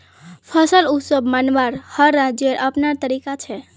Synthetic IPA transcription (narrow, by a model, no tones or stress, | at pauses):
pʰəsəlusəbmanbaɾhəɾːad͡ʒeɾʔəpnaɾt̪əɾikat͡ʃʰɛ